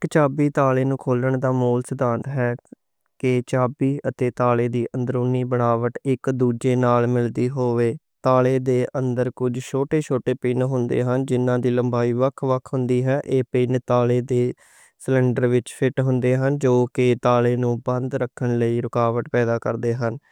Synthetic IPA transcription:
ɪkt͡ʃaːbiːt̪aːleːnũːkʰoːləɳd̪aːmoːlsəd̪aːnt̪ɦɛː | kɪt͡ʃaːbiːət̪eːt̪aːleːd̪iːʔənd̪əɾʊnːiːbəɳaːʋəʈɪkd̪uːd͡ʒeːnaːlmɪld̪iːɦoːʋeː | t̪aːleːd̪eːʔə̃nd̪əɾkʊd͡ʒt͡ʃʰoːʈeːt͡ʃʰoːʈeːpiːnɦʊ̃nd̪ḛːɦənd͡ʒɪnːãːd̪iːləmbaːiːʋəkʰʋəkʰɦʊnd̪iːɦɛːʔeːpiːnt̪aːleːd̪eː | slɛ̃ːɳɖəɾʋɪt͡ʃpʰɪʈɦʊnd̪eːɦənd͡ʒoːkɪt̪aːleːnũːbənd̪ɾəkʰːəɳləiːɾʊkaːʋəʈpɛːd̪aːkəɾd̪eːɦən

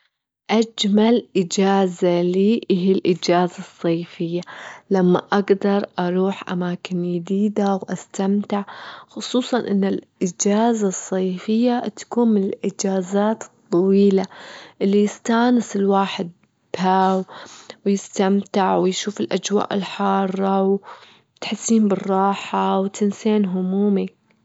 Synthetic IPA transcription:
ʔad͡ʒmalʔɪd͡ʒaːzaliːʔɪɦilʔɪd͡ʒaːzasˤːɑːfɪjːalamːa̰ʔaɡd̪ɑɾˤʔɑɾˤuːħʔa̰maːkɪnjɪd̪iːd̪awʔast̪amt̪ɪʕxʊsˤuːsˤɑnʔɪnːɪlʔɪd͡ʒaːzasˤːɑjfɪjːat̪ḁkuːnmɪnɪlʔɪd͡ʒaːzaːt̪t̪ˤːɑwiːlaʔɪlːijɪst̪aːnɪsɪlwaːħɪd̪̚ | b̥haːwwjɪst̪amt̪ɪʕwɪjʃuːfɪlʔad͡ʒwa̰ːʔɪlħɑːrˤːɑw | t̪ħɪsːiːnbɪrˤːɑːħawt̪ɪnseːnɦʊmuːmi

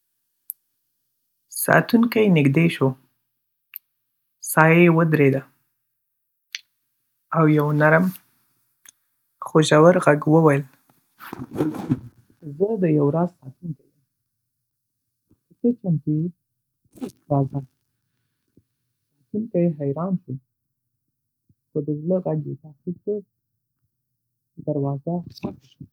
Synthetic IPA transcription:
sɑ̰t̪uŋkajnɪɡd̪eʃo | sɑjajewəd̪ɾed̪a | awjawnaɾəm | xoʒawaɾɣaɡwəwajəl | zəd̪əjawɾɑzsɑt̪unkewam | pətet͡ʃank̪i | ɾɑza | ɑt̪ink̪ajeɦajɾɑnʃu | xəd̪əzləɣaɡet̪aqib̚ke | d̪aɾwɑzaxanʃ

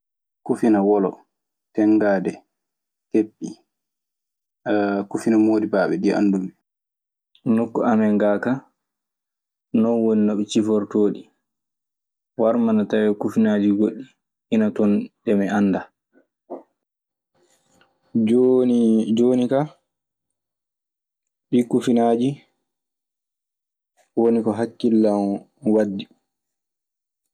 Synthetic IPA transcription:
kufinawɔlɔ̰ | tɛŋɡaːdɛ | kepːi | kufinamoːdibaːɓɛdia̰nːdumɛ | nokːɔʔamɛŋɡaka | nɔnwoninɔɓɛt͡ʃifɔɾtoːɗi | waɾmanatawɛkufinaːd͡ʒiɡoɗːiː | natɔnɗɛmɛanːda | d͡ʒoːnika | ɓikufinad͡ʒi | wonikɔɦakːilːam | wadːi

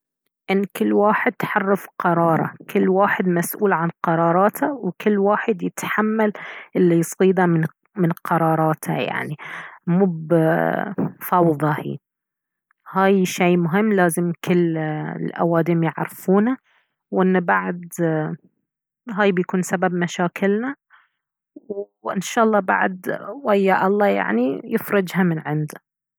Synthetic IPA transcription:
ʔɪnːkɪlːwaːħɪd̪̚t̪ħɑrˤːɪfqɑɾˤɑːɾˤɑ̰kʰɪlːwaːħɪd̪masʔuːlʕanqɑɾˤɑːɾˤɑːt̪ʰawkɪlːwaːħɪd̪jɪt̪ħamːalʔɪlːijsˤiːd̪amɪn | mɪnqʰɑɾˤɑːɾˤɑːt̪ʰa̰ja̰ʕnimuːb | fɑwðˤɑhḭː | haːjʃeːmʊɦɪmːlaːzɪmkɪlːlʔa̰waːd̪imjɪʕɾfuːna | wʔɪnːabaʕd̪ | ɦaːjbjakuːnsababmaʃaːkɪlna | w | ʔɪnʃɑːʔɑlˤːɑːba̰ʕd̪wajːaʔɑlˤːɑːja̰ʕnijɪfɾɪd͡ʒhamɪnʕɪnd̪a

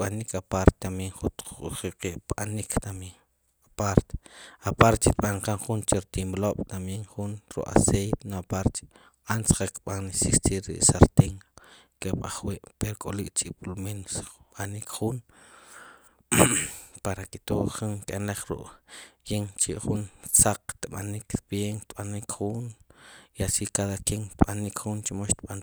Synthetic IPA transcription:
ɓanikapaɾt̪et̪amjeɴχut̪ṵχiqeʔɓa̰nikʰt̪ameŋ | apaɾt̪e̥apaɾt̪it̪̚ɓaɴqaɴχunt͡ʃeɾt̪imloɓ̥t̪amjeŋχunɾṵʔʼa̰sejt̪enoapaɾt̪ | ansqakɓanesikt͡ʃiɾḭʔsaɾt̪eŋkeɓa̰χwiːʔpeɾokʼolikʼt͡ʃʼiɓulmenosɓanikχun | paɾakit̪oχuŋkʼenleχɾṵʔjeŋt͡ʃiʔχunt͡saq͡χt̪ɓa̰nikt̪bjeŋt̪ɓanikχunjasikaðakeŋt̪ɓanikχunt͡ʃimoʃt̪ɓan

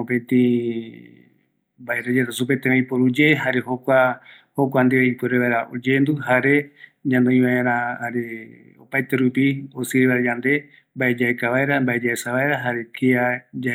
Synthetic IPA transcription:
opẽt̪ĩ | baeɾad͡ʒat̪asup̬et̪ẽmẽĩpoɾud͡ʒeɦaɾehokʷa | hokʷand̪eβeipɨɾeβaeɾaʔod͡ʒend̪uhaɾe̞d͡ʒãnd̪eĩmããɾ̃ãaɾe | o̰pajt̪eɾupiosiɾeβaɾad͡ʒand̪e̞ | mbaed͡ʒaekaβaeɾambaed͡ʒaesaβaeɾaɦaɾekʰead͡ʒa

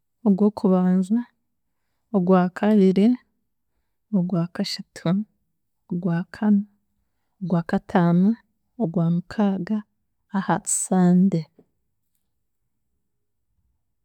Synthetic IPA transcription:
oɡwo̞ːkʰuβaːnzwa | oɡwaːkʰaβiɾi | oɡwaːkaʃatʰu | oɡwaːkʰana | oɡwaːkatʰaːnu | oɡwaːmukʰaːɡaː | hai̥saːnde

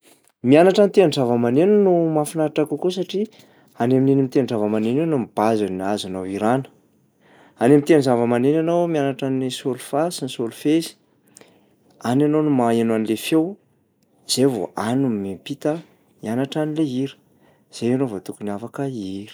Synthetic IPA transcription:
mianaʈ͡ʂanit̪enzavəmaneninumafinaaʈ͡ʂakukus̬aʈ͡ʂi | anemininimit̪enzavəmanenanumib̥azanazanawiɾanə̥ | anemit̪enzavəmanenanawmianaʈ͡ʂanisolufasinisolufezi̥ | ananonumaenwanlefew | z̥evo̰anummepit̪ə | mianaʈ͡ʂanileiɾi̥ | z̥eanovot̪ukuniafakəiɾi̥

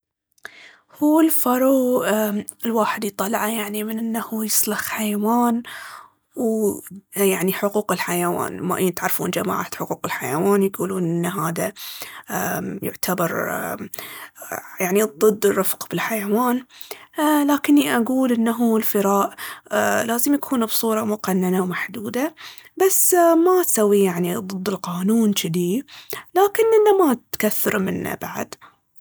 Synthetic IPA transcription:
huːɪlfɑɾˤuː | ɪlwaːħɪd̪ijt̪ˤːɑlʕajaʕnimɪnʔɪnːahujɪsˤlɑxħajawaːn | w | jaʕniħʊquːqɪlħajawa̰ːnmaʔɪːt̪ʕɑɾˤfṵːnd͡ʒama̰ːʕa̰t̪ħʊquːqɪlħajawaːnjɡuːluːnʔɪnːaɦaːða | jʊ̰ʕt̪ʰabɑɾˤ | jaʕnid̪ˤɨd̪ːɪrːɑfqb̥ɪlħajawaːn | laːkɪnːiʔaɡuːlʔɪnːaɦuɪlfɪɾaːʔ | laːzɪmjakʰuːnbsˤuːɾˤɑmʊqanːanawmaħd̪uːd̪a | basːmat̪sawːijaʕniðˤɨd̪ːɪlqɑːnuːnt͡ʃɪd̪ilaːkɪnʔɪnːamat̪kaθːɪɾmɪ̰nːa̰baʕa̰d̪

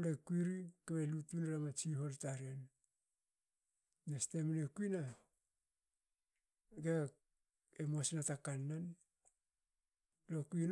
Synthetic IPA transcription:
lekuiɾikaβelutinɾamat͡ʃiɦo̞ltaɾen | nestemanekuina | ɡe | emosnatakanːan | lokuin

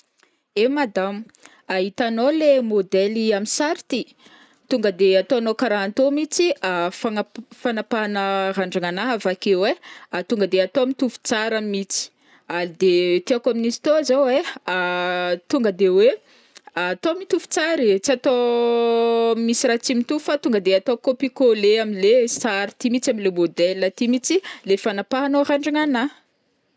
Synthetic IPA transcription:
emad̪amu | aɦit̪anolemod̪eliaminsaɾit̪i | t̪uŋɡəd̪eat̪oanokaɾaant̪omit͡siafaŋafanapanəraɳɖ͡ʐaŋanaɦavakeweat̪uŋɡəd̪eat̪oamit̪ufu̥t͡saɾəmit͡si̥ | alid̪et̪iakaminizi̥t̪ozoweat̪uŋɡəd̪ewe | at̪omit̪ufu̥t͡saɾit͡siat̪o | misiɾat͡simit̪ufat̪uŋɡəd̪eat̪okopikoleamilesaɾit̪imit͡samilemod̪ɛlːət̪imit͡silefanapaɦanoraɳɖ͡ʐaŋana

